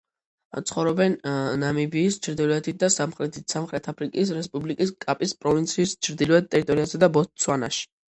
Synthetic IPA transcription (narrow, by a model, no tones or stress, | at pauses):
t̪sʰχɔvɾɔbɛnnamibiːst͡ʃʰɾd̪ilɛt̪ʰit̪̚ʰd̪asamχɾɛt̪ʰsamχɾɛt̪ʰapʰɾikʼis̬ɾɛspʼublikʼiskʼapʼispʼɾɔvint̪sʰiːst͡ʃʰɾd̪iluɛd̪̚t̪ʼɛɾit̪ʼɔɾiazɛd̪abɔt̪̚sʰwana̰ʃi̥